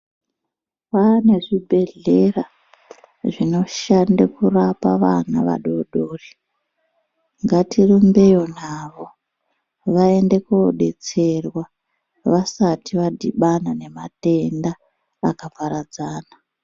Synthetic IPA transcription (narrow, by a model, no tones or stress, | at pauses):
pane̞ʐibʱe̞ɮe̞ra | ʐino̞ʃandekurapaʋanaʋa̰ɗo̞ɗoːri | ŋɡatirumbe̞jo̞naʋo̞ | ʋae̞nde̞ko̰ɗe̞̰t͡se̞rwa | ʋasatiʋadʱiɓanane̞mate̞ndaː | kapaɾad͡zaːna